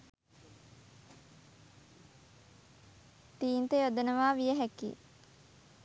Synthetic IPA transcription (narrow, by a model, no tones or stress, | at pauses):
t̪iːnt̪eod̪ɐnɐʋaːʋijəɦækḭː